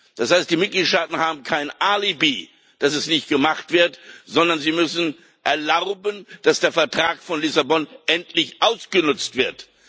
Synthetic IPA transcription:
d̥ashaɪst̚d̥iːmɪt̚ɡ̥liːtʃtaːtn̩haːbm̩kʰaɪnʔaːlibiː | d̥asɛsnɪçt̚ɡ̥əmaχtv̥ɪɐtz̥ɔndɐnziːmʏsn̩ | ʔɛɐlaʊbənd̥asd̥eːɐfɛɐtʁ̥aːkfɔnlɪsabɔnʔɛntʰlɪçʔaʊsɡ̥ənʊt͡stv̥ɪɐt

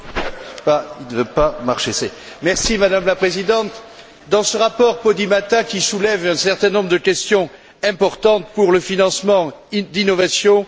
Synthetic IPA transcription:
pailnəvøpamaʁʃese | mɛʁsimad̪amlapχezid̪ɑ̃t̪ | d̪ɑ̃səʁapɔʁpɔd̪imat̪akʲisulɛvɛ̃sɛʁt̪ɛ̃nɔ̃bʁd̪əkʲɛst̪jɔ̃ | ɛ̃pɔʁt̪ɑ̃t̪puʁləfinɑ̃smɑ̃d̪inɔvasjɔ̃

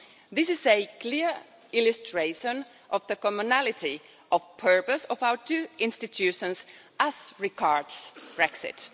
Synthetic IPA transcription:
ðɪsɪzɨkʰliɹ | ɪlɨstʰɹ̥eɪʃə̃n | ʔɔvðəkɔmɨnælɪti | ʔɔvpʰɜ˞pəsɔvaʊə˞tʰʉɪ̃nstɨtʰʉʃə̃ns | ʔæz̥ɹɪɡɑɹdsb̥ɹɛksɪ̰t

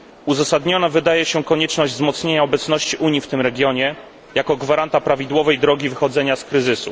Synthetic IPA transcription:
uzasad̪ɲɔnavɘd̪ajɛɕɛkɔɲɛt͡ʂnɔʑd͡ʑzmɔt̪sɲeɲaɔbɛt̪snɔɕt͡ɕiʔuɲift̪ɘmɾɛɡʲjɔɲɛ | jakɔɡvaɾant̪apɾavʲid̪wɔvɛjd̪ɾɔɡʲivɘxɔd̪zɛɲaskɾɘzɘsu

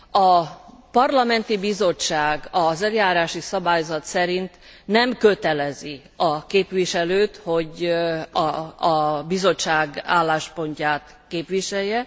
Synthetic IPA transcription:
ɒpɒrlɒmɛnt̪ibizo̞t͡ʃːaːɡɒzɛljaːɾaːʃisɒbaːjzɒt̪sɛɾint̪nɛmkøt̪ɛlɛzi | ɒkeːpʋiʃɛløːt̪ho̞ɟ | bizo̞t͡ʃːaːɡaːlːaːʃpo̞ɲcaːt̪ | keːpʋiʃɛjːɛ

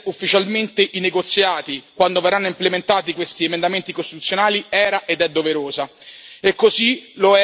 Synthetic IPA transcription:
ufːit͡ʃalment̪eʔineɡot̪sːjaːt̪ikwand̪overːanːoimplement̪aːt̪ikwest̪iemend̪ament̪ikost̪it̪ut̪sːjonaːliɛːɾaʔed̪ɛd̪ːoveɾoːzaekːoziloɛ

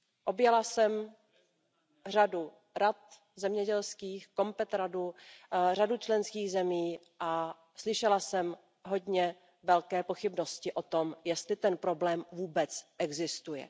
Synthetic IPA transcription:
ʔo̞bjɛlasɛm | r̝adu | ɾat̪̚ | zɛmɲɛɟɛlskiːxko̞mpɛt̪ɾadur̝adut͡ʃlɛnskiːɣzɛmiː | ʔa | slɪʃɛlasɛm | ɦo̞dɲɛ | vɛlkɛːpo̞xɪbno̞scɪʔo̞t̪omjɛst̪lɪt̪ɛnpɾo̞blɛːmvuːbɛt͡sʔɛɡzɪst̪ujɛ̰

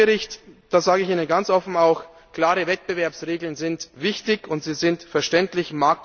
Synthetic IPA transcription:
əʁɪçtd̥aːzaːɡəɪçʔiːnənɡant͡sʔɔfn̩aʊx | kl̥aːʁəvɛt̚b̥əvɛɐpsʁeːɡl̩nzɪntvɪçtɪçʊntz̥iːzɪntfɛɐʃtɛntlɪçmaɐk̚t

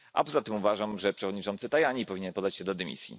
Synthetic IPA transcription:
ʔa̰pɔzat̪ɘmuvaʐamʐɛpʂɛvɔd̪ɲit͡ʂɔnt̪sɘt̪ajaɲipɔvʲiɲɛnpɔd̪ːat͡ɕɕɛd̪ɔd̪ɛmʲḭsʲjḭ

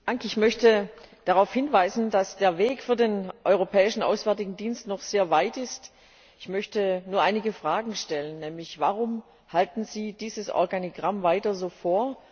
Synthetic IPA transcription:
aŋkɪçmœçtəd̥aʁaʊfhɪnvaɪzn̩dasd̥eːɐveːkfyːɐdeːnʔɔʏʁopʰɛːɪʃn̩ʔa̰ʊsv̥ɛɐtɪɡŋ̩diːnstnɔχz̥eːɐvaɪtɪst | ɪçmœçtənuːɐʔaɪnɪɡəfʁ̥aːɡŋ̩ʃtɛlənːɛːmlɪçvaʁ̞ʊm | haltn̩ziːd̥iːzəsʔɔ̰ɐɡaniɡʁamvaɪtɐzoːfoːɐ

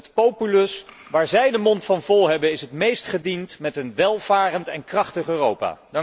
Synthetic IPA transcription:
ətpowpylɵs | ʋaːɹzɛjdəmɔntfɑnvɔlˠɦɛbənɪsɦətmejstχədintmɛtənʋɛlˠv̥aːrəntɛnkrɑχtəχøːrowpa̰ː

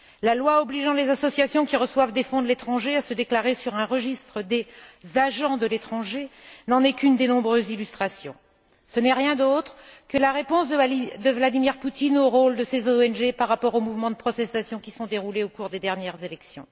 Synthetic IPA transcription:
lalwaɔbliʒɑ̃lezasɔsjasjɔ̃kʲiʁəswavd̪efɔ̃d̪let̪χɑ̃ʒeasəd̪eklaʁesyʁɛ̃ʁəʒist̪χəd̪ezaʒɑ̃d̪əlet̪χɑ̃ʒenɑ̃nɛkynd̪enɔ̃bʁøzilyst̪χasjɔ̰̃ | sənɛʁjɛ̃d̪ot̪χkəlaʁepɔ̃sd̪d̪əvlad̪imiʁput̪inoʁold̪əsezoɛnʒepaʁːapɔʁomuvmɑ̃d̪əpχɔt̪ɛst̪asjɔ̃kʲi̥sɔ̃d̪eʁuleokuʁd̪ed̪ɛʁnjɛʁzelɛksjɔ̰̃

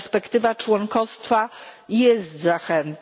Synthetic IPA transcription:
spɛkt̪ɘvat͡ʂwɔŋkɔst̪fajɛst̪zaxɛnt̪

